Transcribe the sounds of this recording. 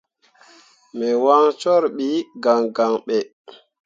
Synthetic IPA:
mɛ˨wa˦ŋt͡ʃɔ˦ɾɓi˦ɡa˨ŋɡa˨ŋɓɛ˨

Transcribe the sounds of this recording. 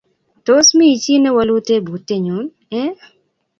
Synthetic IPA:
to˦smi˦i˨t͡ʃi˦nɛ˦wa˧lu˦te˦bu˨tːe˦ɲu˨˦n | ɛ˦

